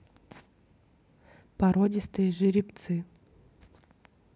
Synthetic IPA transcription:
pɐɾɔdʲɪst̪ɨjʐɨɾʲɪpt̪sɨ

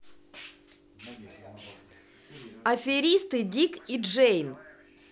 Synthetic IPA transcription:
ɐfʲɪɾʲist̪ɨdʲikiʐɛjn

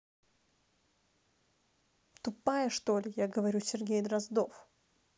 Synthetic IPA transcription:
t̪ʊpajəʂt̪olʲɪjaɡəvɐɾʲusʲɪrɡʲejd̪ɾɐzd̪of

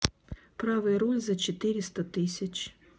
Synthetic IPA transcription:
pɾaʋɨjɐɾɔlʲzɐt͡ʃet̪ɪɾʲɪst̪ɐt̪ɪsʲɐt͡ʃʲ

